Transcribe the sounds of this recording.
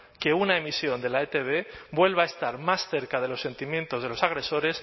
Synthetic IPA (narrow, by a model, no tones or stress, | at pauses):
ke̞unaemisjo̞nd̪e̞laet̪eβ̞e̞bwe̞lβaest̪aɾmasθe̞ɾkað̞e̞lo̞sːe̞nt̪imjẽ̞nt̪o̞zð̞e̞lo̞saɣ̞ɾe̞so̞ɾe̞s